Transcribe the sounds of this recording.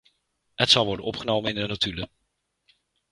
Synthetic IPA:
ɦətsɑlˠʋɔɹdənɔpχənowmənɪndənatylə

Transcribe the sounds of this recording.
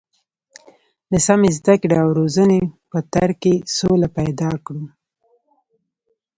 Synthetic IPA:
d̪əsamezd̪akɽeawɾozənepət̪aɾkesolapajd̪ɑkɽu

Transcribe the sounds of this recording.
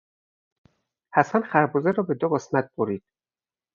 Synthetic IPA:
hæsænxæɾbuːzeɾɒːbed̪obɒsmæt̪̚b̥oɾiːd̪̥̚

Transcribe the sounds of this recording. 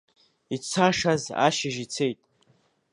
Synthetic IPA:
it͡sʰaʂaza̰ʃɪʒit͡sʰejtʼ

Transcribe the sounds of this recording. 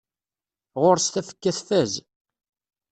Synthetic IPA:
ʁoɾst̪æfə̥kːæθfæz

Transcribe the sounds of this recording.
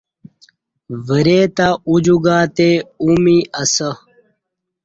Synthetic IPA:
vəɾeːt̪aud͡ʑuɡaːt̪eumiʔəsə

